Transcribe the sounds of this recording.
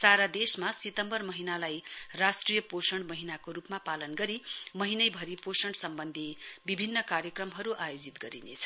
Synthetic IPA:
saɾad̪esmasit̪ʌmbʌrmʌɦinalajrasʈrijʌposʌɳmʌɦinakoɾupmapalʌnɡʌɾimʌɦinʌjbʱʌɾiposʌɳɖsʌmbʌnd̪ʱibibʱinːʌkarjʌkrʌmɦʌɾuʔajod͡zit̪ɡʌɾinḛt͡sʰʌ̥

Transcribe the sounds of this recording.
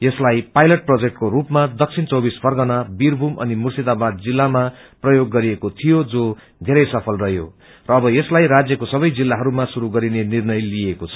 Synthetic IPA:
jʌslajpajlʌʈ̚prod͡zek̚ʈkorupmad̪ʌk̚sʰint͡sʌwbisbʱʌrɡʌnabirbʱumʔʌ̰nimursid̪abad̪̚d͡zilːama | prʌjoɡːʌɾiekot̪ʰijod͡zo | d̪ʱeɾʌjsʌpʰʌlrʌɦjo̰ | rʌːbʌjeslajrad͡zjʌkosʌbʌjd͡zilːaɦʌɾumasuɾuɡʌɾinenirnʌjlijekot͡sʰʌ̥

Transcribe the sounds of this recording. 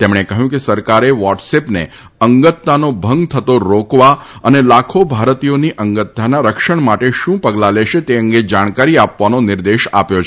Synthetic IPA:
t̪emɽ̃ekəɦjũkesəɾkaɾeʋɔʈsepnḛ | əŋɡət̪ːanobʱəŋɡt̪ʰət̪oɾokʋaənelakʰobʱaɾt̪ijoniʔəŋɡət̪ːanaɾəkʃəɳ̃maʈeʃũpəɡlaleʃet̪eə̃ŋɡed͡ʒaɽ̃kaɾiapʋanonɪɾd̪eʃa̰pjot͡ʃʰ

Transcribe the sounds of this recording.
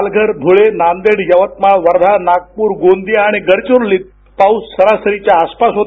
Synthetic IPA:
lɡʱəɾbʱuɭenand̪eɽjəʋət̪̚maɭʋəɾd̪ʱanaɡ̚puːɾɡond̪iaɽ̃iɡəɾt͡ɕuɾliːt̪̚ | paussəɾasəɾit͡ɕjaːspasɦot̪

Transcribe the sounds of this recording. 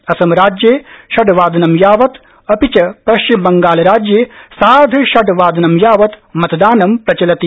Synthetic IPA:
ɐsɐmɾaːd͡ʒjeːʃɐɖʋaːd̪ɐnɐmjaːʋɐt̪ | ɐpit͡ʃɐpɾɐʃt͡ʃimbɐŋɡaːlɐɾaːd͡ʒjeːsaːd̪ʱɐʃɐɖʋaːd̪ɐnɐmjaːʋɐt̪mɐt̪d̪aːnɐmpɾɐt͡ʃɐlɐt̪i

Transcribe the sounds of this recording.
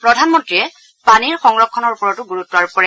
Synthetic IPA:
pɹɔdʱanmɔntɹiɛ | paniɹxɔŋɹɔkʰːɔnɔɹupɔɹɔtuɡuɹutːaɹup̚kɔɹɛ

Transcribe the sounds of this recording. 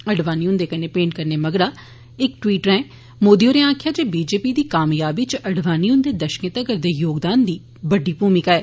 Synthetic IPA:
əɖʋaːniʊ̃nd̪eːkəneːpẽːɳʈkəɾneːməɡɾaː | ɪkʈwiːʈɾɛ̃ː | moːd̪ioːɾẽãːkʰɪjaːd͡ʒeːbiːd͡ʒeːpiːd̪iːkaːmjaːbit͡ʃəɽʋaːniːʊ̃nd̪eːd̪əʃkẽt̪akəɾd̪eːjoːɡd̪aːnd̪iː | bəɖiːpuːmɪkaːɛː

